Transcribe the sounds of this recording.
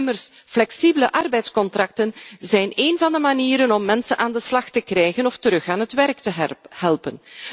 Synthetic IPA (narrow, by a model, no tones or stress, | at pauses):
mərs | flɛksibələʔɑrbɛjtskɔntrɑk̚tənzɛjneːnvɑndəmaniːɾənɔmːɛnsənʔaːndəslɑxtəkrɛjɣənɔftəɾɵxaːnɦətʋɛrk̚təɦɛlˠpən